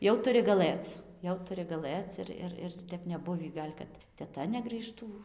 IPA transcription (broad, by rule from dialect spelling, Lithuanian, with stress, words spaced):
ˈjɛʊ tʊˈrʲɪ ɡɐˈlˠɘt͡s ˈjɛʊ tʊˈrʲɪ ɡɐˈlˠɘt͡s ɪr ˈɪr ˈɪr ɪr ˈtʲɛp nʲɛˈbʊʋʲiː ˈɡɐlʲ kɐt tʲɛˈtɐ nʲɛɡrʲiːˈʃtuː